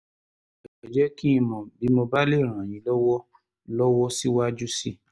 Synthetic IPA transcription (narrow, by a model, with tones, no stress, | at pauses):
ɛ˨ɛ˨d͡ʒɛ˨˦ki˦ĩ˧mɔ̃˨bi˨˦mo˧ba˦le˦˨ɾ̃ã˨j̃ĩ˧lɔ˦wɔ˦ | lɔ˦wɔ˦si˦wa˦d͡ʒu˦si˧